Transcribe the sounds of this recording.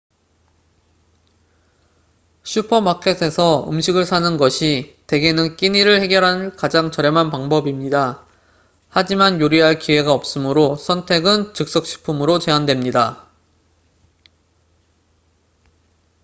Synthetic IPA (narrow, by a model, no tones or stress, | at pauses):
ɕʰupʰʌmakʰe̞sʰe̞sʰʌɯ̰mɕʰiɡɯɭsʰanɯnɡʌɕʰite̞ɡe̞nɯnk͈iɲiɾɯɭhe̞ɡjʌɾɦankad͡ʑaŋt͡ɕʌɾe̞manpaŋbʌbimɲida | had͡ʑimanjoɾiɦaɭkiwe̞ɡaʌp̚s͈ɯmɯɾosʰʌntʰe̞ɡɯnt͡ɕɯk̚s͈ʌk̚ɕ͈ʰi̥pʰumɯɾot͡ɕe̞andwemɲida